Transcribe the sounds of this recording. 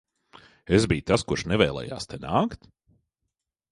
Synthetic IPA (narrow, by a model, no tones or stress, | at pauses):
ezbijt̪askuɾʃnɛvɛːlˠɛ̰ːja̰ːst̪enaːkt̪